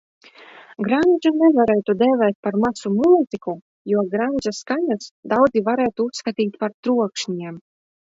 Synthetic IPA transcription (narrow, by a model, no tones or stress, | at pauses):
ɡɾanʲʒunɛvaɾɛːt̪ud̪ɛːvɛːt̪̚paɾmasumuːziku | juɔɡɾanʲd͡ʒaskaɲasd̪awd̪zivaɾɛːt̪uusːkat̪ʲiːt̪ʲpaɾt̪ɾuɔkʃɲiɛm